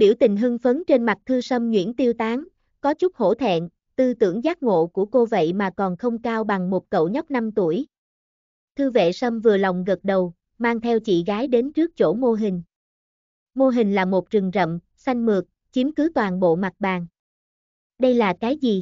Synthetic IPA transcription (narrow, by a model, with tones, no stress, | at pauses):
ɓḭ˧˩əwt̪ï˨˩ŋ̟ɦɨ˧ŋfə˨˦nt͡ɕe˧nma˨˩t̚t̪ʰɨ˧sə˧mŋwḭ˧˥ənt̪i˧əwt̪aː˨˦ŋ | kɔ˨˦t͡ɕʊ˦˥k͡p̚ho̰˧˥˨t̪ʰɛ̰˧˨n | t̪ɨ˧t̪ɨ̰˧˩əŋzaː˦˥t̚ŋo̰˧˨ku˧˩əko˧və̰˧˨jmaː˨˩kɔ˨˩nxə˧wŋ͡mkaː˧wɓa˨˩ŋmo˨˩t̚kə̰˧˨wɲə˦˥t̚na˧mt̪u˧˩əj | t̪ʰɨ˧vḛ˧˨sə˧mvɨ˨˩əla˨˩wŋ͡mɣə˨˩t̚ɗə˨˩w | maː˧ŋt̪ʰɛ˧wt͡ɕḭ˧˨ɣaː˨˦jɗe˨˦nt͡ɕɨ˦˥ək̚t͡ɕo̰˧˩mo˧ɦï˨˩ŋ̟ | mo˧ɦï˨˩ŋ̟laː˨˩mo˨˩t̚t͡ɕɨ˨˩ŋzə̰˧˨m | sa˧jŋ̟mɨ˨˩ək̚ | t͡ɕi˨˦mkɨ˨˦t̪waː˨˩nɓo̰˧˨ma˨˩t̚ɓaː˨˩ŋ | ɗə˧jlaː˨˩kaː˨˦jzi˨˩